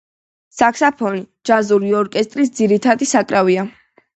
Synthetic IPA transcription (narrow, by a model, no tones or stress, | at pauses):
sakʰsapʰɔni̥ | d͡ʒazuɾiɔɾkʼɛst̪ʼɾis̬d̪ziɾit̪ʰad̪isakʼɾavia